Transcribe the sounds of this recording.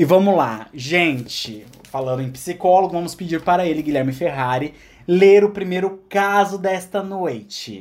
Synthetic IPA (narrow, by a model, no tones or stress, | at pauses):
ɪvɐ̃mʊla̰ʒẽnt͡ʃɪ | falɐ̃nd̪ʊẽj̃pi̥sikɔloɡʊvɐ̃mʊspɪd͡ʒiɾpaɾɐelɪɡiʎɛɾmɪfeɦaɾɪ | leɾʊpɾimejɾʊkazʊd̪ɛst̪ɐnojt͡ʃɪ